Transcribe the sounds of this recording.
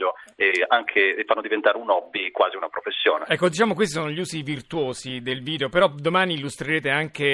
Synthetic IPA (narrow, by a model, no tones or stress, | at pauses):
oeaŋkʰefːanːod̪ivent̪aːɾeunɔbːikwaːziunapɾofesːjo̰ːnḛɛkːod̪it͡ʃaːmok̬west̪isoːnoʎiuːzivirt̪uwoːzid̪elviːd̪eopeɾɔd̪omaːniːlːust̪ɾeɾeːt̪eaŋk̟e